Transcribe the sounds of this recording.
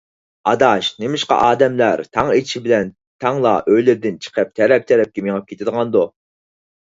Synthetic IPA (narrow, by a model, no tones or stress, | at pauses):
ɑd̪ɑʃnemɪʃqɑ̰ʔɑːd̪ɛmlæɾt̪ʰɑŋeʃibɪlɛn | t̪ʰɑŋlˠɑ̰ʔøjlɪɾd̪ɪnt͡ʃʰə̥qʰəp̚t̪ʰɛɾɛp̚t̪ʰɛɾɛp̚kʲimeŋɑp̚kʲʰet̪ʰɪd̪əʁɑnd̪u